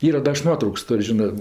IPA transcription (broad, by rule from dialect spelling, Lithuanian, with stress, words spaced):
ˈiːrɐ ˈdɐ ɐʃ ˈnuɔtrɐʊks ˈtoːrʲ ˈʒʲɪnɜ